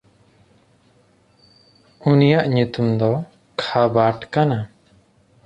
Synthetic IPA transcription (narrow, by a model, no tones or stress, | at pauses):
unijaʔɲut̪umd̪ɔ | kʰabaʈkana